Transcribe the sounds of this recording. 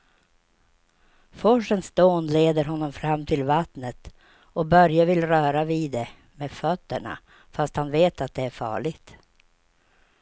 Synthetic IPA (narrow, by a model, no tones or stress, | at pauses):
fɔʂənsd̪oːnleːd̪əɾɦɔnːɔmfɾamːt̪ʰɪlvat̪nət̪ | ɔbœɾjavɪlɾœːɾaviːd̪ɛ | meːfœt̪ːəɳa̰ | fast̪hanveːt̪at̪̚d̪ɛæɾfɑ̰ːɭɪɡt̪